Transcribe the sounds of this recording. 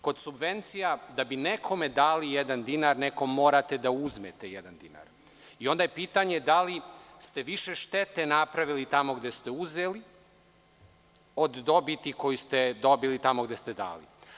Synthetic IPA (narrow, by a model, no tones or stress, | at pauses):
ko̞d̪subʋe̞nt̪sijad̪abinekʰo̞med̪aːlijed̪and̪inaɾneko̞mːo̞ːɾat̪e̞d̪auzmet̪ejed̪and̪ina̰ɾ | io̞nd̪ajepiːt̪aɲe̞d̪alist̪e̞ʋiʃe̞ʃt̪e̞t̪enapɾaʋilit̪amo̞ɡd̪est̪euzeli | od̪ːo̞bit̪iko̞jist̪ed̪o̞bilit̪amo̞ɡd̪e̞st̪e̞d̪a̰ːlḭ